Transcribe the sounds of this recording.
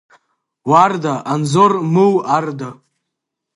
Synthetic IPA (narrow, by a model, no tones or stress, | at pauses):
wardaʔanzormɨwarda